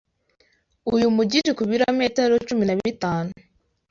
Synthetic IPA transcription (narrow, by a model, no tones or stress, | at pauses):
ujumuɟitikuβiɾame̞ːteɾot͡ʃuminaβiɾitaːnu